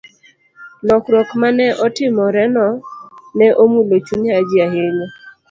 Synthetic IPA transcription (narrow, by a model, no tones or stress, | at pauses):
nɔkɾɔkmanɛʔɔtɪmɔɾɛnɔnɛʔomulot͡ʃunad͡ʒiaɦeɲɔ